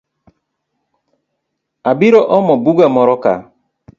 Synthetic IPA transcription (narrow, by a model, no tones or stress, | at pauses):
abiɾɔʔɔmɔbuɡamɔɾɔka̰